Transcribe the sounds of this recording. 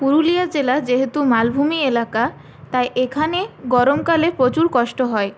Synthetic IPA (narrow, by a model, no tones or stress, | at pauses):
puɾulijad͡ʑelad͡ʑeɦet̪umalbʱumielaka | t̪ajʔekʰaneɡɔɾomkalepɾot͡ɕuɾkɔʃʈoɦɔe